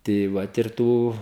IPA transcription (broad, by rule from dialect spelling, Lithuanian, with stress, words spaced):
tɐɪ ˈʋɐt ɪr ˈtuː